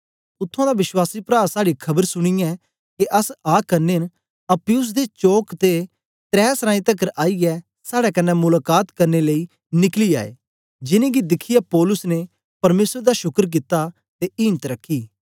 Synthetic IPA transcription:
ʊt̪ʰːãd̪aʋɪswaːsipɾaːsaːɽikʰɐbəɾsʊɽ̃ijɛ | keʔɐsaːkɐɾneːn | ɐpɪjʊs̬d̪et͡ʃoːkt̪e | t̪ɾɛːsɾãːĩt̪ɐkəɾaːiɛ | saːɽɛkɐnːɛmʊlaːkaːt̪kɐɾneləi | nɪklia̰ːḛː | d͡ʒɪnẽɡid̪ɪkʰːɪjapɔːlʊsne | pɐɾmeːsəɾd̪aʃʊkəɾk̬ɪt̪ːa | t̪eʔɪːnt̪ɾɐkʰːiː

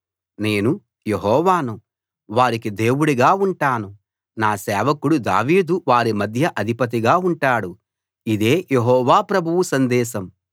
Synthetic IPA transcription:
ne̞ːnu | jeɦɔːʋaːnu | ʋaːɾikid̪e̞ːwuɽiɡaːuɳʈaːnu | naːsɛːʋɐkuɽud̪a̰ːʋiːd̪uʋaːɾimɐd̪ʱjɐʔɐd̪ʱipɐt̪̬iɡaːuɳʈaːɽu | id̪e̞ːjeɦɔːʋaːpɾɐbʱuʋusɐnd̪ɛːʃɐm

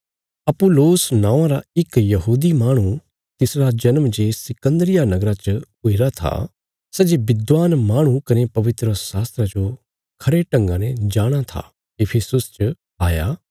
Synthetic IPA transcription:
ɐpʊloːsnãːʋãɾaɪkjɐɦuːd̪imaːɽ̃u | t̪ɪsɾad͡ʒɐnmd͡ʒeːsɪkə̃nd̪ɾɪjanɐɡɾat͡ʃə | ʊɪɾat̪ʰa̰ | sɛːd͡ʒebɪd̪ʋaːnmaːɽ̃ũkɐnepɐʋɪt̪ɾəsaːst̪ɾad͡ʒo | kʰɐɾeʈɐ̃ŋɡãnɛd͡ʒaːɽ̃at̪ʰa̰ | ɪpʰesʊst͡ʃə | aːjaː

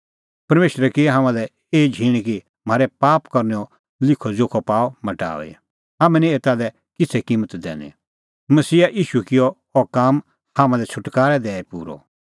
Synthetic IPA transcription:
pɐɾmeːʃɾɛkɪɦãmãlɛ | eːd͡ʒʱiːɽ̃iki | m̤aːɾɛpaːpkɐɾnɛɔ | lɪkʰɔd͡ʒoːkʰɔpaːɔmɐʈa̰ːʋḛ | ɦaːmɛ̃nĩeːt̪aːdɛ | kɪt͡sʰɛkĩmət̪d̪ɛ̰ːnḭ | mɐsiːaʔiːʃukɪjɔ | ɔkam | haːmãlɛt͡ʃʰʊʈkaːɾɛd̪ɛːɛpṵːɾɔ̰

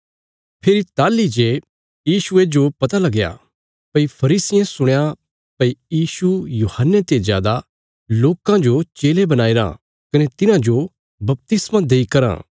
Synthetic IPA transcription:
pʰeːɾit̪aːlid͡ʒe | jiːʃʊed͡ʒopɐt̪alɐɡja̰ | pɐipʰɐɾiːsɪjẽsʊɽ̃ja | pɐijiːsujuːhənːet̪ezja̰ːd̪a | loːkãd͡ʒot͡ʃeːlebɐnaːiɾã̰ | kɐnet̪ɪnãd͡ʒo | bɐp̚t̪ɪsmãd̪eːikɐɾã̰ː

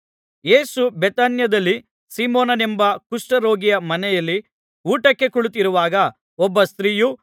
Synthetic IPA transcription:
je̞ːsubet̪aːnjɐd̪ɐlːi | siːmoːnɐnembɐkuʂʈɐɾo̞ːɡijɐmɐnɛjɐlːi | uːʈɐkːe̞kuɭut̪iɾuʋaːɡɐ | ɔbːɐst̪ɾiːju

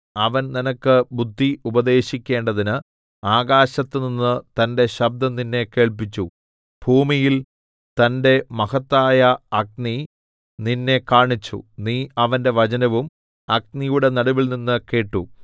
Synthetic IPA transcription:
ɐʋɐnninɐkːɨbud̪ʱːiubɐd̪e̞ːɕikʲːe̞ːɳɖɐðinɨ | aːɡaːɕɐt̪ːɨninːɨt̪ɐnde̞ɕɐb̚d̪ɐninːe̞ke̞ːɭp̬it͡ɕːu | b̥ʱuːmijil | t̪ɐnde̞mɐhɐt̪ːaːjɐɐk̚ni | ninːe̞kaːɳit͡ɕːṵniːɐʋɐnde̞ʋɐt͡ɕɐnɐʋum | ɐɡ̚nijuɽe̞nɐɽuʋilninːɨke̞ːʈːu

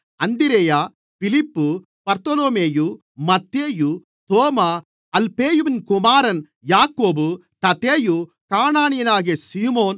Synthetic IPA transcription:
ɐnd̪iɾejaː | pilipːu | pɐɾt̪ɐloːmeːju | mɐt̪ːeːju | t̪oːmɐ | ɐlpeːjuʋinkumaːɾɐn | jaːkoːbut̪ɐt̪eːju | kaːɳaːɳijɐnaːɡesiːmoːn

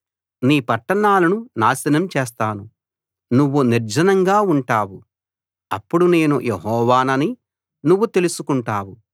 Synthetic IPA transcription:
niːpɐʈːɐɳaːlɐnunaːsɐnɐmt͡ʃeːst̪aːnu | nuʋːuniɾd͡ʒɐnɐŋɡaːuɳʈaːwu | ɐ̰pːuɽune̞ːnujʔeɦɔːʋaːnɐni | nuʋːut̪e̞lusukuɳʈaːwu

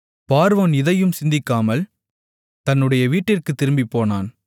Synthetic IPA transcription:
paːɾʋɐnɪðɐjɯmsɪnd̪ɪkːaːmɐl | t̪ɐnːɯɽɐjɐʋiːʈːɪrkɯt̪ːɪɾɯmbipːoːnaːn

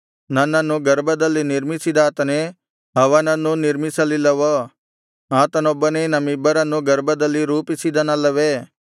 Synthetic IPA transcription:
nãnãnũɡɐɾbɐd̪əlinɪɾmisid̪aːt̪nɛ | ɦɐʋanãnũnɪɾmisɐlilɐʋo | ɦãt̪ɐnõbɐnenɐmibəɾãnũɡɐɾbɐd̪əliɾuːpisid̪anãlɐʋeː

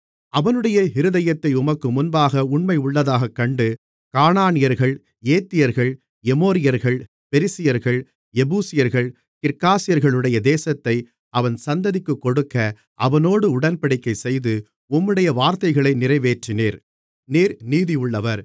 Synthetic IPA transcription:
ɐʋɐnɯɽɐjɐɦɪɾɯðɐjɐt̪ːɐɪʊmɐkːɯmʊnbaːɣɐʊɳmɐɪʊɭːɐðaːɣɐkːɐɳɖɯ | kaːnaːnɪjɐɾɣɐɭ | eːt̪ːɪjɐɾɣɐɭ | ɛmoːɾɪjɐɾɣɐɭ | pɛɾɪsɪjɐɾɣɐɭ | ɛbuːsɪjɐɾɣɐɭ | kɪɾkaːsɪjɐɾɣɐɭɯɽɐjɐd̪eːsɐt̪ːɐɪ | ɐʋɐnsɐnd̪ɐðɪkːɯkːɔɽɯkːɐ | ʔɐʋɐnoːɽɯʊɽɐnpɐɽɪkːɐɪsɛjðɯ | ʊmːɯɽɐjɐʋaːɾt̪ɐɪɣɐɭɐɪnɪrɐɪʋeːʈrɪneːɾ | neːɾniːðɪjʊɭːɐʋɐɾ

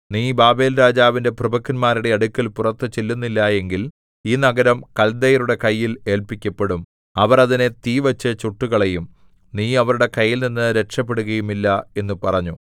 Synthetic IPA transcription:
niːbaːbe̞ːlɾaːd͡ʑaːʋinde̞prɨbɐkːinmaːɾiɽe̞ɐɽukʲːɐlpurɐt̪ːɨt͡ɕilːunːilːɐe̞ŋɡil | iːnɐɡɐɾɐmkɐld̪ejɐɾuɽe̞kɐjːile̞ːlpikʲːɐpːe̞ɽum | ɐʋɐrɐðinet̪iːʋɐt͡ɕːɨt͡ɕuʈːuɣɐɭe̞jum | niːɐʋɐɾuɽe̞kɐjːilninːɨɾe̞kʂɐpːeɽuɣɐjumilːɐe̞nːupɐrɐɲːu

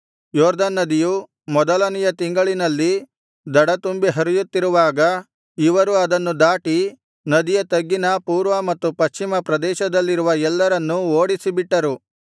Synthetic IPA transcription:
jɔːɾd̪ɐnːɐd̪iju | mɔd̪ɐlɐnijɐt̪iŋɡɐɭinɐlːi | d̪ɐɽɐt̪umbiɦɐɾijut̪ːiɾuʋaːɡɐ | iʋɐɾuɐd̪ɐnːud̪aːʈi | nɐd̪ijɐt̪ɐɡːinɐpuːɾʋɐmɐt̪ːupɐʃt͡ʃimɐpɾɐd̪ɛːʃɐd̪ɐlːiɾuʋɐɛlːɐɾɐnːuoːɽisibiʈːɐɾu

